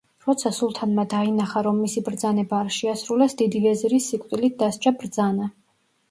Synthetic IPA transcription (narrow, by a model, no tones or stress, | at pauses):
ɾɔt̪sʰasulˠt̪ʰanmad̪ainaχaɾɔmːisibɾd̪zanɛbaːɾʃɛasɾulɛsd̪id̪ivɛzɾisːikʼwt̪ʼilit̪̚ʰd̪ast͡ʃʼabɾd̪zana